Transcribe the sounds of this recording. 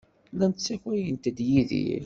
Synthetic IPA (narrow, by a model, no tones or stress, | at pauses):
lænt̪t͡sːækæjənt̪d̪jiðḭl